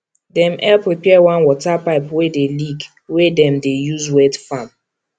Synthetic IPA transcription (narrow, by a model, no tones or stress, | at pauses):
dɛ̃mʔɛlpɹipɛwãnwɔtapaɪpwedeliɡ | wedɛ̃mdejuzwɛdfãm